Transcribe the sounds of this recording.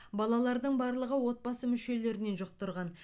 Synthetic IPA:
bɑlˠɑlˠɑɾd̪əɴbɑɾlˠəʁəwo̞t̪̚bɑsəmʏʃe̞le̞ɾɪne̞nʒʊq̚t̪əɾʁɑn

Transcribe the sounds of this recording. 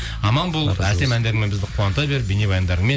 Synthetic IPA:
ɑmɑnbo̞lˠəpæt̪e̞mænd̪e̞ɾɪŋmebɪzd̪ɪqʰuwɑnət̪ɑbe̞ɾɪpbene̞bɑjənd̪ɑɾəɴme

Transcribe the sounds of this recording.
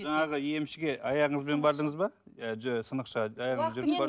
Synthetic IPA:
ʒɑɴɑʁəe̞mʃɪɡʲe̞ʔɑjɑʁəɴəzbe̞nbɑɾd̪əɴəzbɑ | sənəqʃɑɑjɑʁəɴzʒʏɾd̪ebɑ

